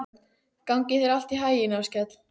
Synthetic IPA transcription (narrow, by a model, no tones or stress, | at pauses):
kawɲcɪθɛɾal̥t̪iɦaːjɪnawscɛt̪l̥